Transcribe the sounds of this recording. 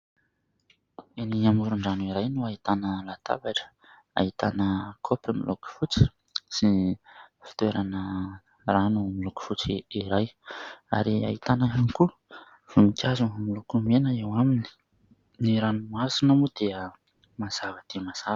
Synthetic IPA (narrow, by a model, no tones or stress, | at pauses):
eniamuɾuɳɖ͡ʐanuiɾajnuaɦit̪anəlat̪ʰa̰baʈ͡ʂə̥ | a̰ɦit̪anəkʰopəmiluku̥fut͡si̥ | si | fi̥t̪weɾanə | ranumiluku̥fut͡siiɾaja̰ɾia̰it̪anaɦaniku | v̥umikʰʲazumilukumenəewamini̥ | niɾanumasinamud̪̥eə | maz̥avəd̪̥emaz̥a